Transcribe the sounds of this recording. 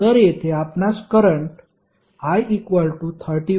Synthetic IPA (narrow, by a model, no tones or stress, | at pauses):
t̪əɾjet̪ʰeapnaskəɾəɳʈ | hajikʋəlʈut̪ʰəɾʈi